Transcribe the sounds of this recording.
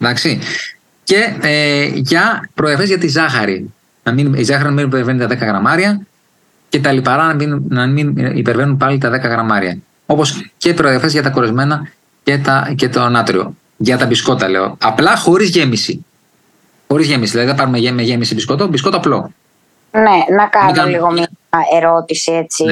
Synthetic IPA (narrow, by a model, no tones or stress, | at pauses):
ðɐksi | ce̞eʝɐpɾoðɐfezʝɐt̪izɐxɐɾi | nɐminizɐxɐɾinɐminipeɾve̞nit̪ɐðe̞kɐɣɾɐmɐɾiɐ | ce̞t̪ɐlipɐɾɐnɐminnɐminipe̞ɾve̞nunpɐlit̪ɐðe̞kɐɣɾɐmɐɾḭɐ̰ | o̞po̞sce̞pɾoðiɐfezʝɐt̪ɐko̞ɾezme̞nɐ | ce̞t̪ɐcet̪onɐt̪ɾio̞̰ | ʝɐt̪ɐbisko̞t̪ɐle̞̰o̞̰ɐplɐxo̞ɾizʝe̞misi | xo̞ɾizʝe̞misiðilɐðiðpɐɾumeemeʝe̞misibiskot̪obis̬ko̞t̪oːplo̞ | nenɐkɐnɐliɣomieɾo̞t̪isiet͡si